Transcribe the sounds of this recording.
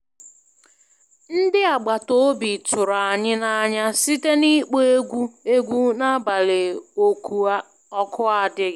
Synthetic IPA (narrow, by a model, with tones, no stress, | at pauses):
n̩˦dɪ˦a˨ɡ͡ba˨to˦bi˨tʊ˨ɾa˨ɲɪ˦na˨ɲa˦si˦te˦ni˦k͡pe˦e˦ɡʷu˦e˦ɡʷu˦na˦ba˨le˨o˨kʰu˨a˦ | ɔ˦kʰʊ˦a˦dɪ˦